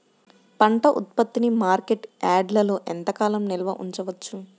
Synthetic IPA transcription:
pɐɳʈɐʔut̪̚pɐt̪ːinimaːɾkeʈaːɖlɐloːʔent̪ɐkaːlɐmnilɐʋɐʔuɲt͡ʃɐʋɐt͡ʃːu

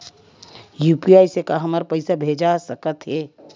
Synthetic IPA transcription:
juːpiaːjsekaɦɐmaɾpɐɪsabʱeːd͡ʒasəkət̪ɦɛː

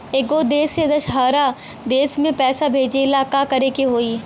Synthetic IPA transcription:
eːɡod̪eːsed̪ɐʃɦaːɾa | d̪eːsmẽpɛːsabʱeːd͡ʒeɪlaːkakɐɾekeɦoːiː

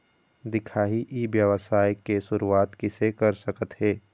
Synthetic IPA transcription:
d̪ɪkʰaːɦiʔiʋjəʋəsaːjkesʊɾuaːt̪kɪsekɐɾsɐkət̪ɦɛː

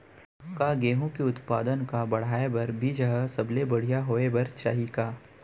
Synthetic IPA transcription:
kaɡeːɦõkeʊt̪paːd̪ənkabɐɽ̤aːebɐɾbʱid͡ʒɐɦɛsɐblebɐɽ̤ijaɦoːebɐɾt͡ʃa̰ːɦikaː

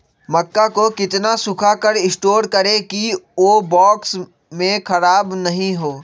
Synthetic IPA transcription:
mɐkːakokɪt̪nasʊkʰakəɾɪsʈoːɾkɐɾekioːbɔːks | mẽkʰɐɾaːbnɐɦĩɦoː

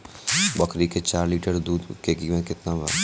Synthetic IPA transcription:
bɐkɾiket͡ʃaːɾliːʈəɾd̪uːd̪keːkimẽkɪt̪nabə

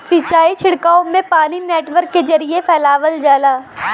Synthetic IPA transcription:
sit͡ʃaːit͡ʃʰɪɽkaːõmẽpaːnineːʈʋəɾkːezɐɾiefʰɛːlaːʋəld͡ʒaːlaː

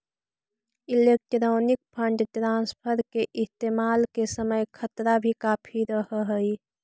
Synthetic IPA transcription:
ɪleːk̚ʈɾoːnɪk̚pʰə̃ɳɖʈɾãːnspʰəɾkeʔɪst̪eːmaːlkesəməjkʰət̪ɾabʱikaːpʰiɾəɦɦəi

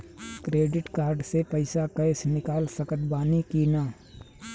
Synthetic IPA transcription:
kɾeːɖɪʈkaːɾɖsepɐɪsakɐɪsnɪkaːlsɐkət̪baːnikinaː

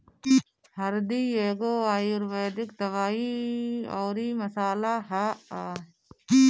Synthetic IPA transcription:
həɾd̪iːeːɡoːaːjʊɾʋeːd̪ɪkt̪əʋaːiːoːɾiːməsaːlaːɦaː

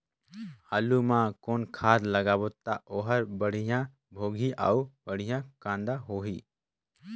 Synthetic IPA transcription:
halumãkoːnkʰaːd̪ləɡaːbot̪aʔoɦəɾbəɽ̤ijã | bʱoːɡʱiʔa̰ubəɽ̤ijãkãːnd̪aɦoːɦiː

